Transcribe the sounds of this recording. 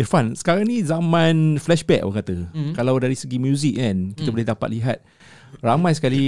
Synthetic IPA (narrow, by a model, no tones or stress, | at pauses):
ɛfãnsə̥kaɾaŋnĩzamãnflɛʃbɛk̚wəkat̪əkalawdaɾisəɡimjuzik̚ãnkit̪əbuleɦdapa̰t̪̚liɦat̪̚ | ramãjsə̥kali